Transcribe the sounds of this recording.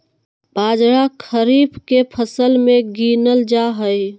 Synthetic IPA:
baːd͡ʒɾakʰəɾiːbkepʰəsəlmẽɡinəld͡ʒaɦəj

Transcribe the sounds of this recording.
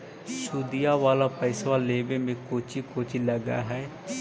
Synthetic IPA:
suːd̪ɪijaːʋaːlaːpɛːsʋaːleːʋeːmẽːkoːt͡ʃiːkoːt͡ʃiləɡa̰ːɦɛː

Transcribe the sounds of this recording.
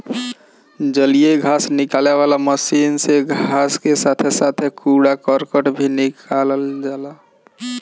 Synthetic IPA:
d͡ʒəlijeɡʱasnikaleʋalaməsinseɡʱaskesat̪ʰesat̪ʰekuɽakəɾkəʈbʱinikaləld͡ʒaːla

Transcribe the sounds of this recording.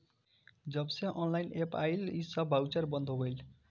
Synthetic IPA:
d͡zʌbseʔʌnlajnepajlisʌbʱawt͡saɾbʌnd̪ʱobʌjl

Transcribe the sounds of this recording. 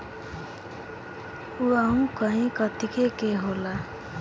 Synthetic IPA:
uaũkʌĩkʌt̪ikekeɦola

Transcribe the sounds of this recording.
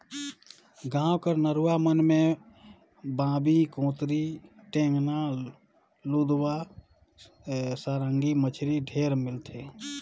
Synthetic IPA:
ɡãːwkəɾnəɾuwamənmẽ | bãːbikõːt̪ɾiʈẽːŋɡnaː | lud̪wa | saːɾə̃ŋɡimət͡ʃʰɾiɖʱeːɾmɪlt̪ʰe

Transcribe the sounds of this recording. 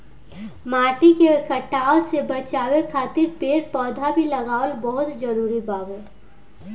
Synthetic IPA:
maːʈikekəʈaːosebət͡ʃaːwekʰaːt̪ɪɾpeːɽpɔːd̪ʱabʱilɐɡaːəlbɔɦʊt̪d͡ʒəɾuːɾibaːɡe

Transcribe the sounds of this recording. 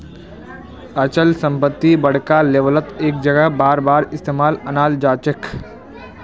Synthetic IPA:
ət͡ʃəlsə̃mpət̪ːibəɽ̤kaleːʋələt̪eːk̚d͡ʒəɡəɦbaːɾbaːɾɪst̪eːmaːlɐnaːld͡ʒaːt͡ʃək

